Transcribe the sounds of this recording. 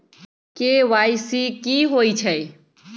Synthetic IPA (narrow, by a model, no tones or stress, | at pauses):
keʋajsikiɦoit͡ʃʰəj